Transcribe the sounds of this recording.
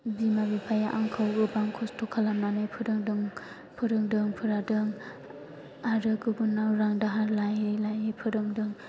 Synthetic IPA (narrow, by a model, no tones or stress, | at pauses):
bimabipʰajaʔaŋkʰawɡɯbaŋkʰɔstʰɔkʰalamnanɯjpʰɯɾɯŋdɯŋ | pʰɯɾɯŋdɯŋpʰɯɾadɯŋ | aɾɯkɯɡunːawɾaŋdaɦaɾlajɯlajɯpʰɯɾɯŋdɯŋ